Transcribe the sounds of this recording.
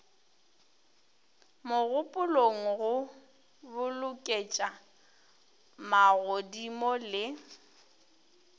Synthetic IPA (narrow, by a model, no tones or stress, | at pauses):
mʊɣʊpʼʊloŋ̩ɣʊ | bʊlʊkʼet͡ʃʼa | maɣodimɔlɪ